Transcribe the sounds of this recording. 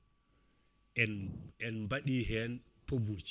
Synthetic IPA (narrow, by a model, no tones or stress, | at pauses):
ɛnɛnmbaɗiːɦɛn | pobut͡ʃ